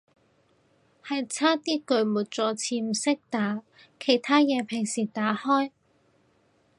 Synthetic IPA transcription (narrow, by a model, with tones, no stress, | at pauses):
hɐ˨jt͡sʰaː˥t̪iː˥kɵ˨˧ɥmuː˨˩t̚t͡sɔː˨˧t͡sʰiː˧m̩˨˩sɪ˥k̚t̪aː˨˥ | kʰe˨˩jt̪ʰaː˥jɛː˨˧pʰɪ˨˩ŋsiː˨˩t̪aː˨˥hɔː˥j